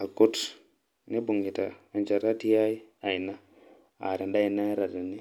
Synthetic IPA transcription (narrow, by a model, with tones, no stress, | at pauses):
a˨ku˦t | ne˦bu˨ŋi˨ta̰ː˨nt͡ʃa˨ɾa˦ti˦ja˦i˦a˨i˨na˦ | a̰˨ɾe˨nda˦i˨na˦ɾa˨di˨ni˦